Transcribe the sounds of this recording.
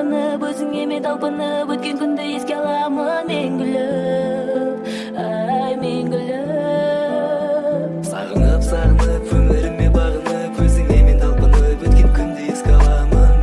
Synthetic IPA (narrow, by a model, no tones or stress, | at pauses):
ənəkʲʰɵzɪŋeme̞nt̪ʰɑlˠpənəwɵt̪̚kʲe̞ŋkʲʰʏnd̪ɪjeskʲeɑlˠɑməmeŋɡʲʏlɪ | æjmeŋɡʲʏlɪ | sɑ̰ʁəɴɑpsɑɾənəkʲʰɵmɪɾɪmːebɑʁənəkʲʰɵzɪŋement̪ʰɑlˠpənəwɵt̪kʲe̞ŋkʲʰʏnd̪ɪjeskʲeɑlˠɑmə